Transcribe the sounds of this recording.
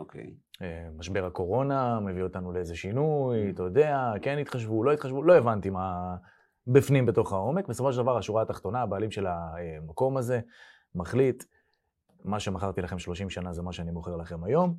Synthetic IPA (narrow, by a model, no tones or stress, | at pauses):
okḛ | emaʃbe̞ʁako̞ʁo̞name̞vio̞t̪anuleeze̞ʃinujt̪od̪e̞ake̞nit̪χaʃvulo̞itχaʃvulo̞evant̪ima | bifnimbe̞t̪o̞χao̞me̞kbesofo̞ʃedavaʁaʃuʁaːt̪aχt̪o̞naːbaːlimʃe̞lamako̞maze̞ | maχlit̪ | maʃe̞maχaʁt̪ilaχe̞mʃlo̞ʃimʃanaze̞maʃeanimoχe̞ʁlaχe̞majo̞m